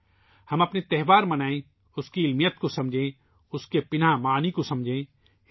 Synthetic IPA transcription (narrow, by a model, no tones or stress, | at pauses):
hɐmɐpnet̪ɛɦʋaːɾmɐnaːẽ | ʊskiɪlmijət̪kosɐmd͡ʒʱẽ | ʊskepɪnamaːnikosɐ̃md͡ʒʱẽː